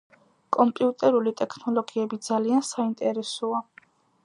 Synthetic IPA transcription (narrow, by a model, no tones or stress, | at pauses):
kʼɔmpʼiut̪ʼɛɾulit̪ʼɛkʰnɔlˠɔɡiɛbid̪z̥aliansaint̪ʼɛɾɛsɔa